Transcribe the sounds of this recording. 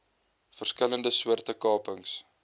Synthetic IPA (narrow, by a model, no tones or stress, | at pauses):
fərskələndəswuərtəkɑːpəŋs